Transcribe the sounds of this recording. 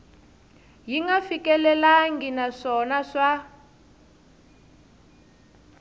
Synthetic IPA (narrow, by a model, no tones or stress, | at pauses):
jiŋɡafikɛlɛlaŋɡinaʂɔnaʂa